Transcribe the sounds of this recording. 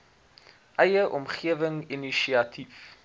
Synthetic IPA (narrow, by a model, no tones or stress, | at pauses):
ʔɛjəʔɔmχiəvəŋiniʃiɐtʰif